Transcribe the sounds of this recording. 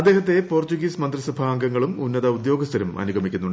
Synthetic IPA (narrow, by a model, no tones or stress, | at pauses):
ɐd̪ːe̞ːɦɐt̪ːe̞po̞ːrt͡ɕuɣiːsmɐnd̪risɐbʱaːŋɡɐŋːɐɭumunːɐðɐud̪jo̞ːɡɐst̪ʰɐɾɐmɐ̰nuɡʱɐmikʲːunːuɳɖ